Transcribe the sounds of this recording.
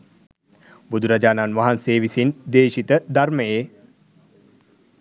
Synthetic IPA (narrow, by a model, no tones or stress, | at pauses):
bud̪uɾad͡ʒaːnanʋaɦanseːʋisind̪eːʃit̪əd̪arməje